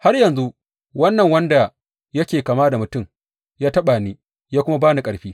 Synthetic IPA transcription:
ha˦rjɐ˨nzu˦ | wɐ˦nːɐ˨ŋwɐ˦nda˨ | jɐ˦kʲeː˨kaː˨maː˦da˨mʊ˨tʊ˦˨m | jaː˦tɐ˦ɓa˨niː˦ | jaː˦kʷʊ˦ma˦baː˦na˨kʼɐ˨ɽɸiː˦

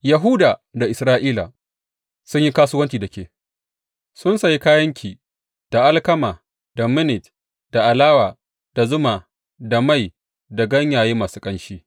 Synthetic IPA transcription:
jɐ˨ɦuː˦daː˨da˨ʔɪ˨sɾaː˦ʔiː˦la̰˨ | sʊ˦ɲji˦kaː˦sʊ˦wɐ˦nt͡ʃiː˨dɐ˨kʲeː˨ | sʊ˦nsa˨ji˦kaː˦jɐ˦ŋkʲiː˨ | d̥a˨ʔa˦lkɐ˦maː˨ | d̥a˨mɪ˦nɪ˨t | d̥a˨ʔa˨laː˦waː˨ | d̥a˨zʊ˦maː˨ | da˨ma˦˨j | da˨ɡɐ˦ɲjaː˨jeː˦maː˨su̥ː˦kʼɐ˦nʃiː˦

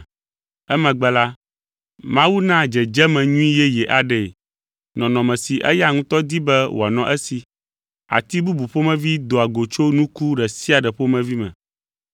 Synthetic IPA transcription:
ɛ˦mɛ̃˨ɡ͡bɛ˨la˦ | mã˦wu˦nã˦d͡ʒɛ˨d͡ʒɛ˦mɛ̃˨ɲũ˦ĩ˦jɛ˦jɛ˨ʔa˨ɖɛ˨ | nɔ̃˨nɔ̃˨mɛ̃˨si˨ʔɛ̰˦ja˦ŋũ˦t̪ɔ˦d̪i˦bɛ˦wo˨a˨nɔ̃˨ʔɛ˦si˨ | a̰˨t̪i˦bu˦bu˨ɸo˦mɛ̃˦vi˦d̪o˨a˨ɡo˨t͡ʃo˦nũ˦ku˦ɖɛ˨si˦a˨ɖɛ˨ɸo˦mɛ̃˦vi˦mɛ̰̃˨

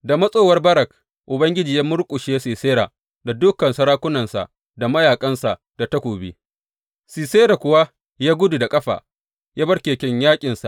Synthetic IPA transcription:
da˨mɐ˦sʼoː˦wɐ˦rbɐ˦ɾɐ˨k | ʔʊ˨bɐ˦ŋɡʲɪ˦d͡ʒiː˨jaː˦mʊ˦ɾkʷʼʊ˨ʃe˦siː˨seː˦ɾa˨ | da˨dʊ˦kːɐ˨nsɐ˦ɾaː˦kʷʊ˦nɐ˨nsa̰˨ʔ | da˨mɐ˦jaː˨kʼɐ˦nsa˨ʔ | d̥a˨tɐ˦kʷoː˨bḛ˦ | siː˨seː˦ɾa˨kʷʊ˨wa˦ | jaː˦ɡʷʊ˦du˨da˨kʼɐ˦ɸa̰ː˨ | jaː˦bɐ˦rkʲeː˨kʲɛ˦ɲjaː˦kʲʼɪ˨nsa̰˨ʔ

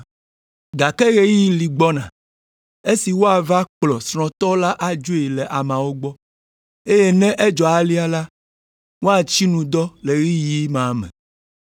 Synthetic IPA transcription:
ɡa˨kɛ˦ɣe˦ji˦li˨ɡ͡bɔ˦nã˨ | e˦si˨wo˦a˨va˦k͡plɔ˨sɾ̃ɔ̃˨t̪ɔ˦la˦ʔa˨d͡ʒu˦e˨lɛ˨ʔa˨mã˨wo˦ɡ͡bɔ˦ | e˦je˦nɛ̃˦ʔe˦d͡ʒɔ˨a˨li˦a˦la˦ | wo˦a˨t͡ʃi˦nũ˨d̪ɔ˦le˨ɾi˦ji˦mã˨mɛ̰̃˨

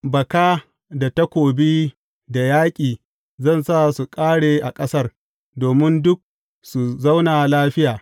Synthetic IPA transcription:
bɐ˨kaː˦ | da˨ta˦kʷoː˨biː˦ | da˨jaː˦kʲʼiː˨ | zɐ˦˨nsa˦su˨kʼaː˦ɽeː˨ʔa˨kʼɐ˦sɐ˦r | doː˨mɪ˦ndʊ˦k̚ | su˨za˦wnaː˨laː˦ɸɪ˦jaː˨

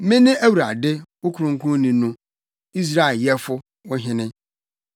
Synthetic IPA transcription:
mɪ̃˦nɪ̃˦ʔæ˦wu˨ɾa̰˨dɪ˦wʊ˦kʰʊ˨˦ɾʊ̃˦ŋ̩˦kʰʊ̃˦nĩ˨˦nʊ̃˦ | i˦s̬ɾa˦˨e˨ljɛ˦fʊ˦ | wɔ˦ɦɪ̃˦nɪ̃˦

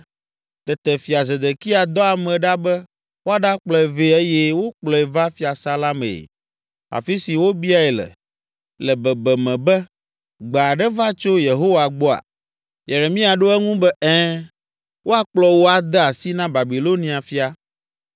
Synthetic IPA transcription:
t̪ɛ˨t̪ɛ˨fi˨a˨zɛ˨d̪e˨ki˦a˨d̪ɔ˦a˨mɛ̃˨ɖa˦bɛ˦ | wo˦a˦ɖa˦k͡plɔ˦ɛ˨ve˦e˦je˦wo˦k͡plɔ˨ɛ˨va˦fi˦a˨sa˦la˦mḛ˨ | a̰˨fi˦si˨wo˦bi˦a˦ɛ˨lɛ̰˨ | lɛ˨bɛ˨bɛ˨mɛ̃˨bɛ˦ | ɡ͡ba˨ɖɛ˦va˦t͡ʃo˦je˨ɦo˦wa˨ɡ͡bɔ˦a̰˨ | je˨ɾe˨mĩ˦a˨ɖo˦ɛ˦ŋũ˦bɛ˦ɛ̃˦ | wo˦a˦k͡plɔ˦wo˦a˨d̪ɛ˦a˨si˦nã˦ba˨bi˨lo˦nĩ˨a˨fi˦a˨

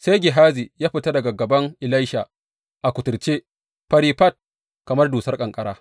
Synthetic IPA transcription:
se˦jɡʲɪ˨ɦaː˦zi˨jaː˦ɸɪ˨ta˦dɐ˨ɡa˨ɡɐ˨bɐ˦ŋʔɪ˨la˦jʃa˨ | ʔa˨kʷʊ˨tʊ˨rt͡ʃe˦ | pɐ˦ɾiː˦ɸɐ˦˨t̚ | kɐ˨mɐ˦rduː˨sɐ˦rkʼɐ˨ŋkʼɐ˦ɽaː˦

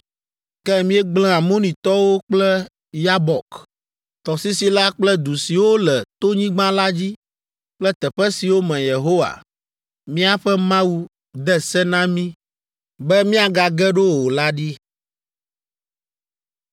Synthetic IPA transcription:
kɛ˦˨mĩ˦ɛ˦ɡ͡blɛ̃˦a˨mo˦nĩ˨t̪ɔ˦wo˦k͡plɛ˦ | ja˦bɔ˨k | t̪ɔ˨si˦si˨la˦k͡plɛ˦d̪u˨si˨wo˦lɛ˨t̪o˦ɲĩ˦ɡ͡bã˦la˦d͡ʑi˦ | k͡plɛ˦t̪ɛ˨ɸɛ˦si˨wo˦mɛ̃˨je˨ɦo˦wa̰˨ | mĩ˦a˨ɸɛ˦mã˦wu˦ | d̪ɛ˦sɛ˦nã˦mĩ˦ | bɛ˦mĩ˦a˨ɡa˨ɡɛ˦ɖo˦wo˨la˦ɖi˦

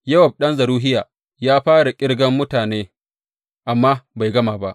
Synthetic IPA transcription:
jɐ˦wɐ˨b̚ɗɐ˦nzɐ˨ɾuː˦ɦɪ˦jaː˨ | jaː˦ɸaː˦ɽa˨kʲʼɪ˦ɽɡɐ˦mːʊ˦taː˨neː˦ | ʔa˨mːaː˦ba˨jɡɐ˦maː˨ba˦ʔ

